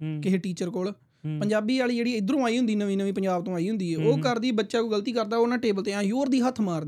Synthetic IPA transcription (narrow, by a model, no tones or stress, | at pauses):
kɪɦeʈiːt͡ʃəɾkoːl | pəɲd͡ʒaːbiːaːlid͡ʒeːɽiːɪd̪ɾõːaːiːɦʊ̃nd̪iːnəʋĩːnəʋĩːpəɲd͡ʒaːbt̪õːaːiːɦʊ̃nd̪iːeːoːkəɾd̪iːbətːʃaːkuːɡəlt̪iːkəɾd̪aːoːnãːʈeːbəlt̪eːãːjoːɾd̪iːɦət̪ʰmaːɾd̪